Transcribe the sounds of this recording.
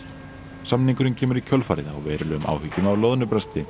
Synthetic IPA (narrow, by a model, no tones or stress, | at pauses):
samniŋkʏɾɪncʰɛːmʏɾicʰœlfaːɾɪðaɔɣvɛːɾʏlʏʏmʔa̰ːwhʏcːʏnaːwlowðnʏpɾɛst̪ɪ